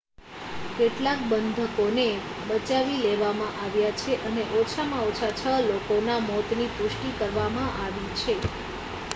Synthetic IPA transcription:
keʈlak̚bənd̪ʱəkonebət͡ʃaʋileʋamãʔaʋjat͡ʃʰeʔəneʔɔt͡ʃʰamãot͡ʃʰat͡ʃʰəlokonamɔt̪nipʊʂʈikəɾʋamãʔaʋit͡ʃʰe

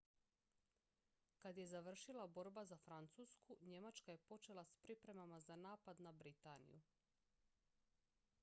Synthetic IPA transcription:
kad̪je̞zaʋr̩ʃilˠabo̞ɾbazafɾant̪suːskuɲe̞mat͡ʃkaje̞po̞t͡ʃe̞lˠaspɾipɾe̞mamazanaːpad̪nabɾit̪anḭju

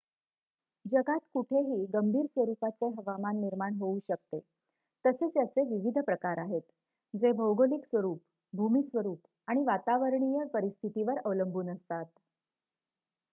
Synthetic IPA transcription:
d͡ʑəɡat̪kuʈʰeɦiːɡəmbʱiːɾsʋəɾupat͡seɦəʋamanːiɾmaɳɦouɕək̚t̪e | t̪əset͡sjat͡seʋiʋid̪ʱpɾəkaɾaɦet̪ | d͡zebʱəwɡoliksʋəɾuːp | bʱumiːsʋəɾuːp | aɽ̃iʋat̪aʋəɾɳijəpəɾist̪ʰit̪iʋəɾəʋləmbʱuːnəst̪at̪

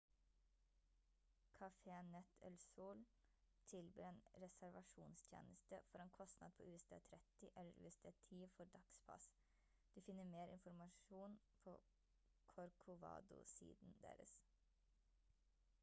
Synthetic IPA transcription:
kʰɑfeːnɛt̪ʰɛ̰lsuːl | t̪ʰɪlbø̰ːɾeːnɾɛsæɾʋɑʂuːnst̪ʰjḛːnəst̪əfɔɾeːnkʰɔst̪nɑd̪̚pʰo̰ːʉːɛsd̪ʰḛːt̪ʰɾɛt̪ɪʔɛlːəɾʉ̰ːɛsd̪ʰeːt̪ʰiːfɔɾɖ̪ɑkspʰɑ̰s | d̪̥ʉːfɪnːəmeːɾɪnfɔɾmɑʂuːn | pʰoː | kʰɔɾkʰʊʋɑ̰ːd̪ʊ̰sḭːd̪nd̪ḛːɾə̰s

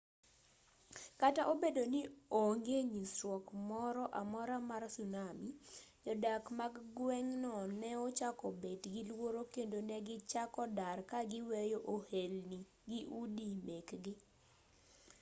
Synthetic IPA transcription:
kataʔobedonɪoŋɡeɲisɾwɔkmɔɾɔʔamɔɾamarsunamid͡ʒɔdakmaɡɡwɛŋnɔnɛɔt͡ʃakɔbetɡɪlwoɾokendonɛɡɪt͡ʃakɔdarkaɡɪwejoʔohelni | ɡɪʔudimekɡɪ

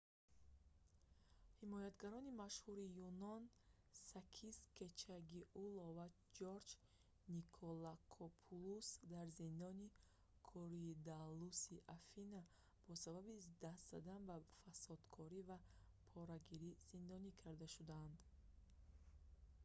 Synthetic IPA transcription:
himɔjat̪ɡaɾɔnimaʃhuɾijunɔn | sakʰisket͡ʃʰaɡiʔulova | d͡ʒoɾd͡ʒ | nikʰɔlakʰɔpʰulusd̪aɾzind̪ɔni | kʰɔɾiːd̪alusiʔafina | b̥ɔsababid̪ast̪z̥ad̪anbafasɔd̪kʰɔɾivapʰɔɾaɡiɾiz̥ind̪ɔnikʰaɾd̪aʃud̪aːnd̪

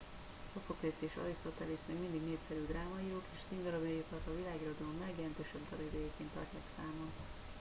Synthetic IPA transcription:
sofokreːsieːʃɒ̰ɾist̪ot̪ɛlismeːɡmind̪iɡneːpsɛɾyːd̪raːmɒiokeːʃsiŋɡɒɾɒbjipɒrt̪ɒvilaːɡiɾod̪ɒlomːɛɡjɛlɛnt̪øːʃɛbd̪ɒɾɛd̪øjɛkeːnt̪ɒ̰rcaːksaːmɒn

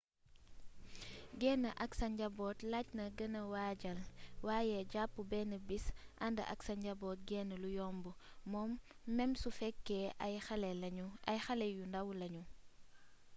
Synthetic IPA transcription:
ɡɛnːəʔɐksɐɲɟɐbɔːtlacnɐɡɐnɐwaːɟɐlwaːjɛɟapːubɛːnəbisʔɐndɐʔɐksɐɲɟɐbɔːt̚ɡɛnəlujɔmbumɔːmː | ɛmsufɛkːɛɐjxɐlɛlɐɲuɐjxɐlɛjundɐwlɐɲu

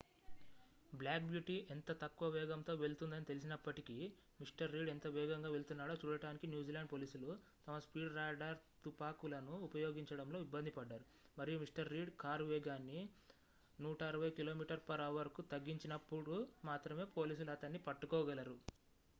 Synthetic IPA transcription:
blaːkbjuːʈiʔent̪ɐt̪ɐkːuʋɐʋɛːɡɐmt̪o̞ːʋe̞ɭt̪und̪ɐnit̪e̞lis̬inɐpːɐʈiki | miʂʈɐɾːiːɖent̪ɐʋɛːɡɐŋɡaːʋe̞lt̪unːaːɽoːt͡ʃuːɽɐʈaːnikinjuːd͡ʒiːlaːɳɖpoːliːsulu | t̪ɐmɐspiːɖɾɐjɖaːɾt̪upaːkulɐnuːpɐjoːɡiɲt͡ʃɐɽɐmlo̞ːibːɐnd̪ʱipɐɖːaːɾu | mɐɾijumisʂʈɐɾːiːɖkaːɾʋɛːɡaːnːi | nuːʈɐːɾuʋɐjkilo̞ːmiːʈɐɾpɐɾɐːʋɐɾɐkut̪ɐɡːiɲt͡ʃinɐpːuɽumaːt̪ɾɐme̞ːpo̞ːliːs̬ulɐt̪ɐnːipɐʈːukɔːɡɐlɐɾu

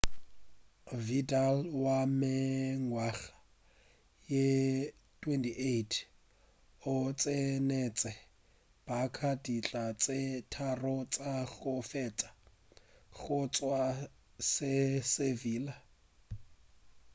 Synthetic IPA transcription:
vidalwamɪŋwaɣḁ | je | tʰʼwɛntʰʼiʔeitʰ | ʊt͡sʼenɛt͡sʼɛ | b̥akʰadʼit͡ɬʼat͡sʼetʰarɔt͡sʼaɣʊfɛt͡sʼḁ | ɣʊt͡sʼwa | sɪseviːla

